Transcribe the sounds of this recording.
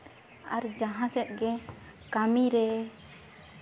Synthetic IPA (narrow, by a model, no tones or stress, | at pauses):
aɾd͡ʒaɦãsɛt̪̚ɡɛ | kamiɾɛ